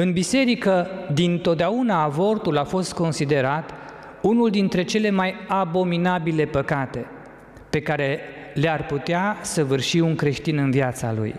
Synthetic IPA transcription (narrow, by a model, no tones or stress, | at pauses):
ɨnbise̞ɾikəd̪int̪o̞t̪̚d̪eaunaːvo̞rt̪ulafo̞st̪̚ko̞nsid̪e̞ɾat̪ | unuld̪int̪ɾe̞t͡ʃe̞le̞majabo̞minabile̞pəkat̪e̞ | pe̞kaɾe̞ | learput̪easəvɨrʃiuŋkɾe̞ʃt̪inɨnviat̪sa̰lṵj